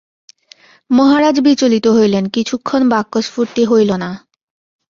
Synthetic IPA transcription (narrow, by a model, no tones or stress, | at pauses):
mɔɦaɾad͡ʑbit͡ɕolit̪oɦojlenkit͡ɕʰukʰːonbakːoʃfuɾt̪iɦojlona